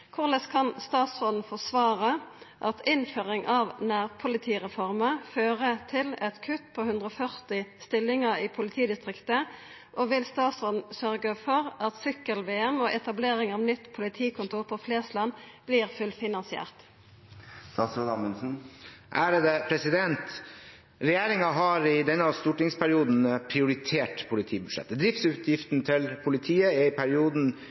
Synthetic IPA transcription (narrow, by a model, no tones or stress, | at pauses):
kʰʊʁləskʰɑnst̪ɑːt̪sʁoːd̪n̩fɔʁsʋɑːʁə | ʔɑt̪ʰɪnføːʁɪŋʔɑʋnæːʁpʰʊlɪt̪ʰiːʁɛfɔʁməføːʁət̪ʰɪlɛt̪kʰʉt̪pʰɔhʉnd̪ʁəɔfœʁt̪ɪst̪ɪlːɪŋəʁiːpʰʊlɪt̪ʰiːd̪ɪst̪ʁɪkt̪ə | ʔoʋɪlst̪ɑːt̪sʁoːd̪n̩sœʁɡəfɔʁɑt̪sʏkːəlʋeːɛmɔʔɛt̪ɑbleːʁɪŋɑʋnʏt̪ːpʰʊlɪt̪ʰiːkʰʊnt̪ʰuːʁpʰɔfleːslɑn | b̥liːʁfʉlfɪnɑnsɪæ̰ːʁt̪ | st̪ɑsɔɑmənsn̩ʔæɾd̪ɛpʰɾɛsɪd̪ɛnt̪ | ɾɛjeːɾɪŋɑɦɑɾɪd̪ɛnːəɑʋst̪uːʈɪŋspʰæɾɪuːd̪n̩pʰɾɪʊɾɪt̪ʰeːʈpʰʊlɪt̪ʰiːbʉd̪ʂɛ̰t̪ːəd̪ɾɪft̪sʉːt̪ʰjɪft̪nt̪ʰɪlpʰʊlɪt̪ʰiːəɛɪpʰæɾɪuːd̪n̩